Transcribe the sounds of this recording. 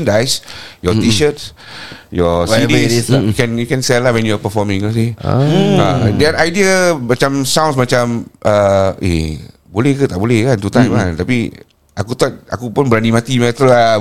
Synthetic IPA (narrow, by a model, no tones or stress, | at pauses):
ndajsjɔt̪iʃət̚ | jɔidisukɛ̃njukɛ̃nsɛlahwɛ̃njuapəfɔmĩŋlas̬ḭ | adɛt̪ajdiəmat͡ʃãmsãw̃ns̬mat͡ʃamʔəḛ | bolɛhkət̪aʔbolɛhkant̪ut̪ãjmant̪api | ʔakut̪at̪̚a̰kupʊnbəɾanimat̪imɛt̪əa